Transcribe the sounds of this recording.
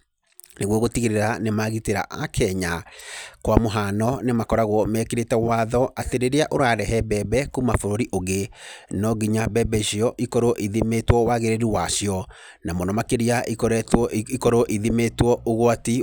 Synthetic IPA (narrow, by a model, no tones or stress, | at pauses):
neɣwɔɣotiɣiɾeɾanemaɣiteɾa̰ʔa̰kʰɛɲakwamoɦanɔnemakɔɾaɣwɔmɛːkeɾetɛwaðɔateɾeɾeaʔoɾaɾɛɦɛbɛbɛkumafoɾoɾiʔoɣenɔɡiɲabɛbɛʃijɔʔikɔɾoʔiðimetwɔwaɣeɾeɾiwasiɔ | namonɔmakeɾiaikikɔɾoʔiðimetwɔoɣwati